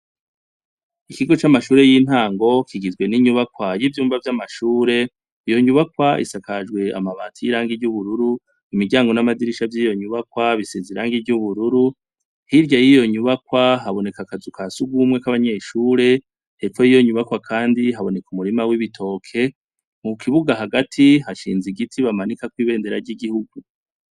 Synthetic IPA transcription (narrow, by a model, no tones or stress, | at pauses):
ikiɡo̞t͡ʃamaʃuːɾe̞jiːn̥haːŋɡo̞kʰiɡizɡwe̞niɲuβakwajivjuːmvavjamaʃuːɾe̞ | ijo̞ɲuβakwaʔḭsakad͡ʒɡwe̞a̰maβaːtʰijiɾaːŋɡiɟuβuɾuɾu | imiɟaːŋɡo̞namadiɾiʃavjiːjo̞ɲuβakwaβiseziɾaːŋɡiɟuβuɾuɾu | hiɾɟajijo̞ɲuβakwaɦaβo̞ne̞kakazukʰasuɡwumŋe̞kaβaɲe̞ʃuːɾe̞ | eikojijo̞ɲuβakwakʰaːndiɦaβo̞ne̞kumuɾimawiβitʰo̞ːkʰe̞ | mukʰiβuɡaɦaɡatʰihaʃiːnziɡitʰiβamanikakwiːβe̞ːnde̞ɾaɾɟiɡihuɡu